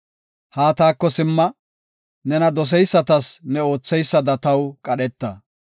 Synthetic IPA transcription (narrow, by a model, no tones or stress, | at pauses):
haːt̪aːkːɔsɪmːɐ | nɛnɐd̪ɔs̬ɛjsːɐt̪ɐsnɛo̞ːt͡sːɛjsːɐd̪ɐt̪ɐwkʼɐɗɛt̪ːɐ